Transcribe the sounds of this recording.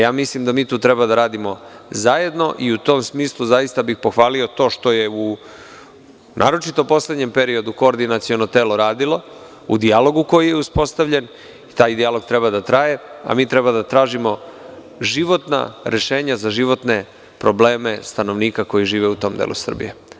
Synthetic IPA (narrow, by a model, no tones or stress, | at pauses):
jaːmislimd̪amiːt̪uːt̪ɾebad̪aɾaːd̪imo̞zaje̞d̪no̞ʔiut̪o̞ːmsmiːslˠuzajist̪abixpo̞xʋaːlio̞t̪o̞ːʃt̪o̞je̞u | nʔa̰ːɾo̞t͡ʃit̪o̞po̞sle̞d̪ɲe̞mpe̞ɾio̞d̪uko̞ːɾd̪inat̪sio̞no̞t̪e̞ːloɾaːd̪ilo̞ | ud̪ijalo̞ɡuko̞jijeuspo̞st̪aʋʎe̞n | it̪aːjd̪ialo̞ɡ̚t̪ɾebad̪at̪ɾaje̞a̰miːt̪ɾe̞bad̪at̪ɾaːʒimo̞ | ʒiʋo̞t̪na̰ɾʔe̞ʃe̞ːɲazaʒiʋo̞t̪ne̞ | pɾo̞ble̞ːme̞st̪ano̞ʋniːkako̞jiʒiːʋeut̪o̞ːmd̪ḛːlṵsr̩bḭje